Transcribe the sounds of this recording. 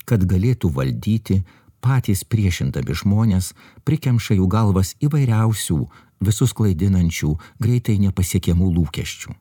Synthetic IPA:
kɐt̪ɡɐlʲeːt̪uːʋɐ̰lʲd̪ʲiːt̪ʲɪ | pɑːt̪ʲiːspʲɾʲiɛʃʲɪnd̪ɐmʲɪʒmoːnʲeːs | pʲɾʲɪkʲɛmʃɐjuːɡɐlˠʋɐsiːʋɐɪɾʲɛʊsʲṵː | ʋʲɪsʊsklˠɐɪd̪ʲɪnɐnʲt͡ʃʲuːɡɾʲɛɪt̪ɐɪnʲɛpɐsʲiɛkʲɛmuːlˠuːkʲɛ̰ʃʲt͡ʃʲṵː

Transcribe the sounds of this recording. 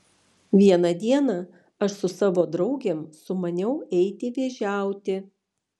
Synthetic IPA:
ʋʲiɛnɐd̪ʲiɛnɑ | ɐʃsʊsɑːʋoːd̪ɾɐʊɡʲemsʊmɐnʲɛʊɛɪt̪ʲɪʋʲeːʒʲæˑʊt̪ʲɪ

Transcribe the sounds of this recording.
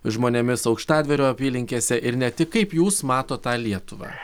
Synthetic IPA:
ʒmoːnʲeːmʲɪsɒʊkʃt̪ɑːd̪ʲʋʲɛɾʲoːɐpʲiːlʲɪŋʲkʲeːsʲɛʔɪɾnʲɛt̪ʲɪkkɐɪpjuːsmɑːt̪oːt̪ɑːlʲiɛt̪ʊʋɑ̰ː

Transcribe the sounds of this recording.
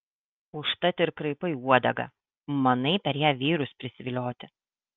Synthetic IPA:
ʊʃt̪ɐt̪ʲɪɪɾkɾɐɪpɐɪuɔd̪ɐɡɐ̰ | mɐnɐɪpʲɛɾjæːʋʲiːɾʊspʲɾʲɪsʲɪʋʲɪlʲoːt̪ʲɪ

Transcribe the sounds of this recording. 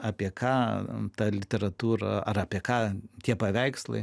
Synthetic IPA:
ɑːpʲiɛkʰɑːt̪ɑlʲɪt̪ʲɛɾɐt̪uːɾɐ̰ɐɾɐpʲiɛkɑːt̪ʲiɛpɐʋʲɛɪkslˠɐ̰ɪ

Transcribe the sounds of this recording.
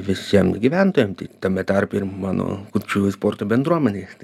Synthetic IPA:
ʋʲɪsʲːiɛmɡʲiʋʲænt̪oːjɛmt̪ʲit̪ɐmʲɛt̪ɑrpʲirmɑːno̰kutt͡ʃʲuːsport̪obʲɛnd̪ɾuɔmʲɛnʲeːst̪

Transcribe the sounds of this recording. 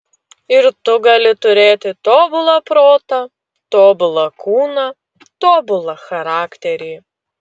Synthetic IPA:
ɪɾt̪ʊɡɐlʲɪt̪ʊɾʲeːt̪ʲɪt̪oːbʊlˠɐpɾoːt̪ɐ | t̪oːbʊlˠɐkuːnɐ | t̪oːbʊlˠɐxɐɾɑːkt̪ʲɛɾʲeː

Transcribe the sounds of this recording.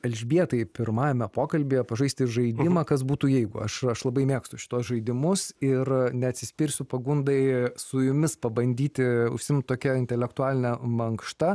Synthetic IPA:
ɐlʲʒʲbʲiɛt̪ɐɪpʲɪɾmɑːjɛmʲɛpoːkɐlʲbʲeːjɛpɐʒɐɪsʲt̪ʲɪʒɐɪd̪ʲɪmɐkɐs̬buːt̪uːjɛɪɡʊ̰ɐ̰ʃɐʃlˠɐbɐɪmʲeːkst̪ʊʃʲɪ̥t̪uɔsʒɐɪd̪ʲɪmʊsɪrnʲɛɐt̪ʲsʲɪsʲpʲɪɾʲsʲʊpɐɡʊnd̪ɐɪsʊjʊmʲɪspɐbɐnʲd̪ʲiːt̪ʲɪʊ̰ʃʲsʲɪmtt̪oːkʲɛɪnʲt̪ʲɛlʲɛkt̪ʊaːlʲɪnʲɛmɐŋkʃt̪ɐ

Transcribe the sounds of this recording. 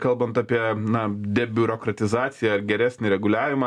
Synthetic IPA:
kɐlˠbɐnt̪ɑpʲiɛnɐd̪ʲɛbʲʊɾoːkɾɐt̪ʲɪzɑːt̪sʲɪjɛɐɾɡʲɛɾʲæːsʲnʲɪɾʲɛɡʊlʲæːʋʲɪmɐ

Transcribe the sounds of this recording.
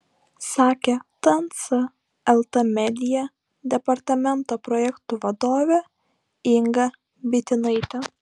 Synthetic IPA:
sɑːkʲet̪ɐnt̪sɐ | ɛlˠt̪ɐmʲɛd̪ʲɪjɛ | d̪ʲɛpɐɾt̪ɐmʲɛnt̪oːpɾɔjɛkt̪uʋɐd̪oːʋʲɛ | ɪŋɡɐ | bʲɪt̪ʲɪnɐɪt̪ʲɛ

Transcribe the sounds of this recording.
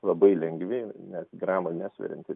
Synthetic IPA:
lˠɐbɐɪlʲɛŋɡʋʲɪnʲɛsɡrɑːmɐnʲæːsʲʋʲɛ̰ɾʲɛ̰nt̪ʲɪ

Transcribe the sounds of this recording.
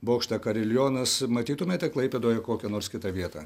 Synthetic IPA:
boːkʃt̪ɐkɐɾʲɪlʲjoːnɐsmɐt̪ʲiːt̪ʊmʲeːt̪ʲɛklˠɐɪpʲeːd̪oːjɛkoːkʲɛnoːɾskʲɪt̪ɐʋʲiɛt̪ɐ̰ː

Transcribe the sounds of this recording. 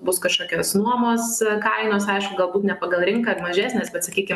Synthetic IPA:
bʊskɐʃkoːkʲoːsnuɔmoːskɐɪnoːsɐɪʃkʊɡɐlˠbuːt̪nʲɛpɐɡɐlˠɾʲɪŋkɐmɐʒʲæːsʲnʲeːsbʲɛt̪sɐkʲiːkʲɪm

